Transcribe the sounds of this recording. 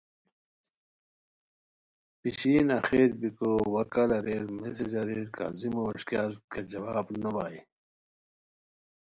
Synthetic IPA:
piɕiːnɐxeːɾbikowɐkɐlɐɾeɾmesid͡ʑɐɾeːɾka̰zimoːʂkalkʰed͡ʑɐwaːbnɐbaːi

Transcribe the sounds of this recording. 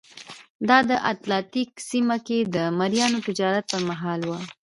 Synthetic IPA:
d̪ɑd̪əʔat̪lɑt̪iksimaked̪əmaɾjɑnot̪ɪd͡ʒɑɾat̪̚pəɾmaɦɑlwa

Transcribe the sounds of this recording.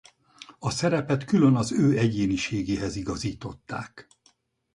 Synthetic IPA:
ɒsɛɾɛpɛt̪kylø̞nɒzøːɛɟeːniʃeːɡeːɦɛziɡɒziːt̪o̞t̪ːa̰ːk

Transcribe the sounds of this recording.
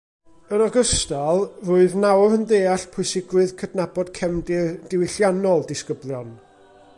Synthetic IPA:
ənɔɡəstalˠruɨðnawrhəndeːaɬpʰʊɨsɪɡwɨðkʰədnabɔd̥kʰɛmddɪwɪɬjanɔlˠdɪskəblˠjɔn

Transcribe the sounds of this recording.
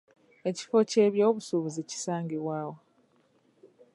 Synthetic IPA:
e̞ci̥fo̞ceːβjoːβusuβuzici̥saːŋɡeβwaːwo

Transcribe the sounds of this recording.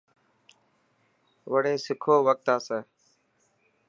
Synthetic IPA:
ʋəɽeːsɪkʰoːʋək̚t̪aːseː

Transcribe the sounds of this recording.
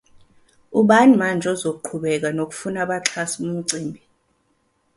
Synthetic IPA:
uɓanimand͡ʒʱɔzok̬uǃʰuɓɛk̬anok̬ʼu̥funaɓaǁʰasum̩ǀiːmbʱi

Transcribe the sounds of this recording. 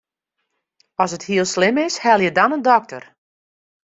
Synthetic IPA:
ɔsəthiəlˠslɪmɪshɛlˠjədɔnəndɔk̚tə̰r

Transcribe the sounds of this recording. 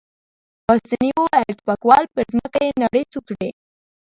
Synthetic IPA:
bɑst̪aniwoaʈpakwɑlpəɾzməkajenaɽət͡s̪ukɽe

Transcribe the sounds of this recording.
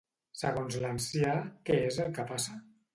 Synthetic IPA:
səɣonzlansjakeezəlˠkəpasa

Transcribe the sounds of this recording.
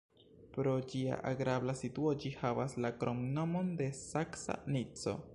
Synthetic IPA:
pɾo̞d͡ʒia̰ʔaɡɾablasituod͡ʒihavaslakɾoŋno̞monde̞saksa̰nit͡so̞̰

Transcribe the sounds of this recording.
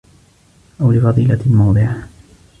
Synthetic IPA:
ʔawlɪfɑðˤiːlalmɑwd̪ˤɨʕa

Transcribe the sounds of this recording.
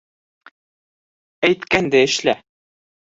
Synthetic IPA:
æjt̪kænd̪æɘ̆ʃlæ

